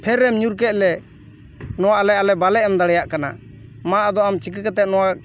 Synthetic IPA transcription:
pʰɛɾːɛmɲuɾk̬ɛt̪̚ˀlɛ | nɔwaʔlɛalɛbalɛɛmd̪aɽɛjaʔkana̰ | maʔad̪ɔamt͡ʃik̬əkɛt̪ɛt̪̚nɔwa

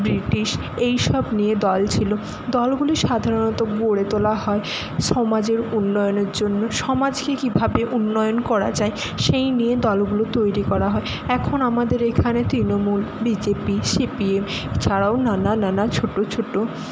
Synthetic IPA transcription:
bɾiʈiʃ | ejʃɔbnijed̪ɔlt͡ɕʰilo | d̪ɔlɡuliʃad̪ʱaɾonɔt̪oɡoɽet̪olaɦɔe | ʃɔmad͡ʑeɾunːɔjoneɾd͡ʑonːoʃɔmad͡ʑkekibʱabeʔunːɔjonkɔɾa̰d͡ʑae | ʃejnijed̪ɔlɡulot̪ojɾikɔɾaɦɔe | ɛkʰonamad̪eɾekʰanet̪ɾinomulbid͡ʑepiʃipiemt͡ɕʰaɾaonanananat͡ɕʰoʈːot͡ɕʰoʈːo

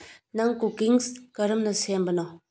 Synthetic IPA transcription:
nɐŋkukiŋskɐɾɯmnɐsembɐnɔ

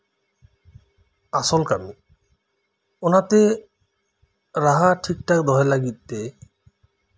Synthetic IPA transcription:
asolkami | onat̪e | ɾaɦaʈʰik̚ʈakd̪ɔɦelaɡit̪ːe

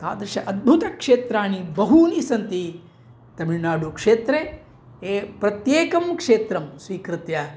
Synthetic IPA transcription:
t̪a̰ːd̪ɾɪʃɐ̰ʔɐd̪̚bʱut̪ɐkʂeːt̪ɾaːɳibɐɦunisɐnt̪i | t̪ɐmiɻnaːɽukʂeːt̪ɾe | eːpɾɐt̪jeːkɐmkʂeːt̪ɾɐmsʋiːkɾɨt̪jɐ

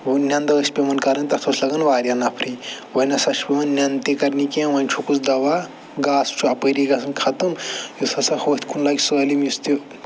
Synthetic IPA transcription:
unʲɐnd̪ɐɐsʲpemɐnkɐɾɐnʲt̪ɐt̪ʰoslɐɡɐnʋaːɾʲjɐnɐpʰɾiʋɐnɐsɐʃʰbɐnnʲɐnt̪ikɐɾnikɐ̃ʋɐnʲt͡ʃʰukusd̪ɐʋa | ɡaːst͡ʃʰuɐpəɾiɡɐsnkʰɐt̪ɨmjusɐsɐhoːt̪ʰʲkʰunlɐɡʲsəːlimjust̪i

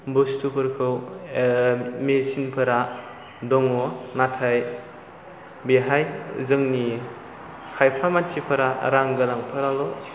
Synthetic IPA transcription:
bostupʰɯɾkʰɯw | mesinpʰɐɾa | dɔŋɔnatʰaj | beɦajzɯŋni | kʰajpʰamant͡ʃʰipʰɐɾaɾaŋɡɯlaŋpʰaɾalɔ

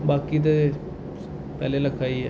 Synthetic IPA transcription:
baːkit̪̬e | pɛːlelɐkʰaːiɦɛ̰ː

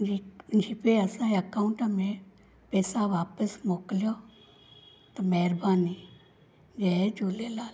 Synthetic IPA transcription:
d͡ʒʱipeɐsãiɐkaʊɳʈamẽ | pɛːsaʋaːpəsmoːkljo | t̪ɐmɛɾbaːni | d͡ʒɛd͡ʒoːlelaːl

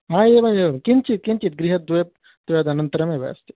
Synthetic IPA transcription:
ɦãːebɐekint͡ʃit̪̚kint͡ʃit̪̚ɡɾiɦɐt̪̚d̪ujɐp̚ | t̪ujaːd̪ɐnɐnt̪ɐɾɐmẽʋa̰st̪i

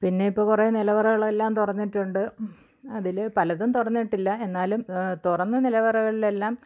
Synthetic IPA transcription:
pinːe̞ipːoːkureːnilɐʋɐrɐɣɐɭelːaːmt̪urɐnːiʈːuɳɖɨ | ɐðilpɐlɐðumt̪urɐnːiʈːilːɐe̞nːaːlumt̪urɐnːɨnilɐʋɐrɐɣɐɭile̞lːaːm

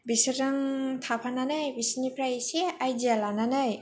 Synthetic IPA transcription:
bisɯɾɯŋt̪ʰapʰananɯjbisinipɾajseajd͡ʒialananɯj

